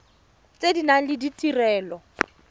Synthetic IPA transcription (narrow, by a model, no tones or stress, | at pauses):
t͡sʼedinaŋ̩lɪditʼirɛːlɔ